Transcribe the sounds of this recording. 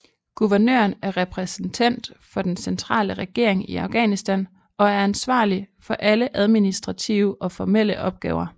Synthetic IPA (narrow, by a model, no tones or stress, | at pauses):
ɡ̥uʋɐnø̰ːɐnæɐʁɛpʰʁɛsn̩t͡sʰæn̰d̥fɒ̽d̥ensent͡sʰʁɑ̰̈ːləʁɛɡ̥e̝̰ɐ̰e̝ŋiɑ̈ʊɡ̥ɛ̰ːnisd̥æn | ɒ̽æɐænsʋɑ̰̈ːlifɒ̽ʔæləʔæð̞ˠminisd̥ʁɑ̈t͡sʰiʊəʔɒ̽fɒmel̰əʔɒ̽b̥̚ɡ̥ɛ̰ːʊɐ